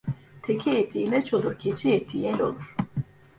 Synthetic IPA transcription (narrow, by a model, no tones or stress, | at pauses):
t̪ʰɛcʰiɛt̪ʰːiːlɛt͡ʃʰod̪ocʲʰɛt͡ʃʰiɛt̪ʰːijɛlo̰lˠuɾ̥